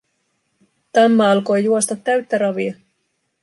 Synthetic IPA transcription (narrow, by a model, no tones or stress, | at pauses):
t̪ɑmːɑɑlko̞jjuost̪ɑt̪ːæɥt̪ːæɾɑʋiɑ